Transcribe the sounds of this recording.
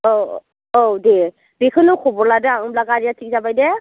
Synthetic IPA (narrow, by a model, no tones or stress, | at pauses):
o | owdɛ | bikʰɯnʊkʰɔbɔɹladɯaɔ̃blaɡaɹijatʰik̚zabajdɛ